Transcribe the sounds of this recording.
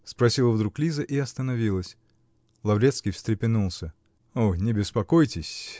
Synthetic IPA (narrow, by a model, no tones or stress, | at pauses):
spɾɐsʲilˠəvd̪ɾuklʲizəʔiɐst̪ənɐvʲilˠəsʲ | lˠɐvɾʲet̪skʲijfsʲt̪ɾʲɪpʲɪnulˠsʲə | onʲɪbʲɪspɐkojtʲɪsʲ